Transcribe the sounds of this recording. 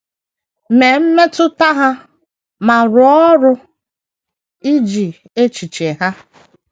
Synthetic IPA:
me˨m̩˦me˦tʊ˦ta˦ɦa˦ | ma˨ɾʊ˨ɔ˦ɾʊ˦ | i˦d͡ʒi˨ | e˦t͡ʃi˨t͡ʃe˨ɦa˦

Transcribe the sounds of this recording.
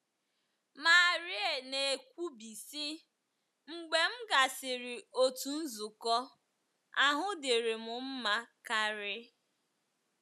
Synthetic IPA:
ma˨ɾɪ˦e˨ne˨e˨kʷu˦bi˨sɪ˦ | ŋ͡m̩˨ɡ͡be˨m̩˦ɡa˨sɪ˨ɾɪ˨o˦tu˨n̩˦zu˨kɔ˦ | a˦ɦʊ˦dɪ˨ɾɪ˨mʊ˨m̩˦ma˦ka˦ɾɪ˦

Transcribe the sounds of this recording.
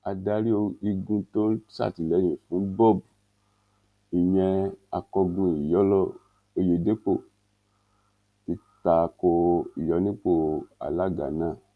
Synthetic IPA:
a˧da˧ɾi˦o˧i˧ɡũ˧to˦sa̰˦˨ti˨lɛ˨˦ɲĩ˨fũ˨˦bɔ˦˨b | i˨ɲɛ˧a˧kɔ˧ɡũ˧˨i˨jɔ˨˦lɔ˦ | e˧je˨˧de˦k͡po˦˨ | ti˧ta˨ko˧i˨jɔ˨˦nĩ˦k͡po˦˨a̰˨la˦ɡa̰˨nã˦˨

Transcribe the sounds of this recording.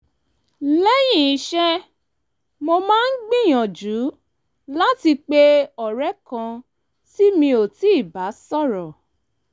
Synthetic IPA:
lɛ˦j̃ĩ˦˨i˨˦ʃɛ˦ | mo˧mãː˦n̩˦ɡ͡bĩ˦˨j̃ɔ̃˨d͡ʒu˨˦ | la˦ti˧k͡pe˦ɔ˨ɾɛ˦kã˧ | si˦mĩ˧o˨ti˨˦˨ba˨˦sɔ˦˨ɾɔ˨

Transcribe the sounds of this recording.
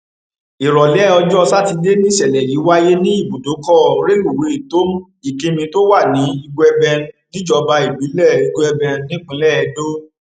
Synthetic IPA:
i˨ɾɔ˨lɛ˨˦ɔ˧d͡ʒɔ˦˧sa˦ti˧de˦nĩ˦sɛ˨lɛ˨ji˨˦wa˦je˦nĩ˦i˦˨bu˨do˨˦kɔ˦˨ɾe˦lu˦˨we˨˦i˨to˦m˦ | i˦˨kĩ˧mĩ˧to˦wa˦˨nĩ˨˦i˧ɡo˧ɛ˧bɛ̃˧nĩ˦d͡ʒɔ˧ba˧i˨bi˨˦lɛ˦˨i˧ɡo˧ɛ˧bɛ̃˧nĩ˦k͡pĩ˨˦lɛ˦˨ɛ˨˧do˦

